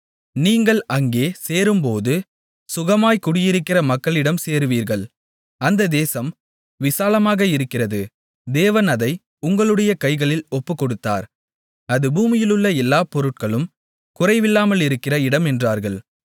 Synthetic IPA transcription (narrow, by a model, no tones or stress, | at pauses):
niːŋɡɐɭɐŋɡeːseːɾɯmpoːðɯ | sʊɣɐmaːjkʊɽɪjɪɾɯkːɪrɐmɐkːɐɭɪɽɐmseːɾɯʋiːɾɣɐɭ | ɐnd̪ɐd̪eːsɐm | ʋɪsaːlɐmaːɣɐɪɾɯkːɪrɐðɯ | d̪eːʋɐnɐðɐɪ | ʊŋɡɐɭɯɽɐjɐkɐɪɣɐɭɪlɔpːɯkːɔɽɯt̪ːa̰ːɾ | ɐðɯbuːmɪjɪlɯɭːɐɛlːaːpɔɾɯʈ̚kɐɭɯm | kʊrɐɪʋɪlːaːmɐɭɪɾɯkːɪrɐɪɽɐmɛndraːɾɣɐɭ